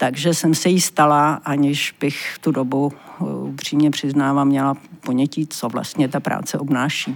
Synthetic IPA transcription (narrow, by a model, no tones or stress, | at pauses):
t̪aɡʒɛsɛmsɛjɪst̪alaʔaɲɪʃb̥ɪxft̪udo̞buʔupr̝̥iːmɲɛpr̝̥ɪznaːvamɲɛlapo̞ɲɛcit͡sovla̰st̪ɲɛt̪apɾa̰ːt͡sɛʔo̞bnaːʃiː